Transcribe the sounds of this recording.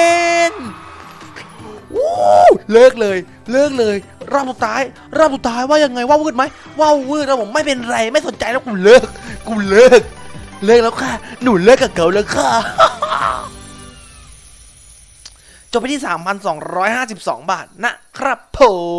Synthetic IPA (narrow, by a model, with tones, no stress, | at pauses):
en | ʔuː˧˦lɤː˥˩k̚lɤː˧j | lɤː˥˩k̚lɤː˧j | ɾa˧˥˩p̚su˨˩t̪ʰːaː˧˥j | ɾa˧˦˥p̚su˨˩t̪ʰːaː˧˥jwaː˥˩ja˧ŋːa˧jwaː˥˩wɯː˥˩t̪̚ma˦˥j | wa˥˩wwɯː˥˩t̪̚ʔaː˦˥˩o˨˩˦mːa˥˩jpe˧nɾa˧jma˥˩jso˨˩˦nt͡ɕa˧jlɛ˦˥wkʰu˧nlɤː˥˩k̚ʰːu˧nlɤː˥˩k̚lɤː˥˩k̚lɛː˦˥kʰaː˥˩nuː˨˩˦lɤː˥˩kːaː˨˩ka˨˧˦wlɤː˧˥˩kʰaː˧˥˩ | t͡ɕo˨˩pa˧t̪ʰiː˥˩saː˩˦mpʰa˧nsɔː˩˦ŋɾɔː˦˥jhaː˥˩si˨˩p̚sɔ̰ː˩˦ŋbaː˨˩t̪̚na˦˥kʰɾa˦˥˩pʰːoː˨˩˦